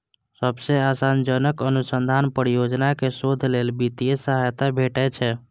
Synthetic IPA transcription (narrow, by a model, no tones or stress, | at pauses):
səbseasand͡ʒənəkənusənd̪ʱanpəɾijod͡ʒnakesod̪ʱlelbit̪ijesəɦajt̪abʱeʈɛt͡ʃʰɛ